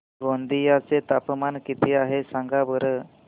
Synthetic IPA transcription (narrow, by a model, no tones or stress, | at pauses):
ɡond̪ijat͡set̪apmankit̪ʰiaɦesãŋɡabəɾə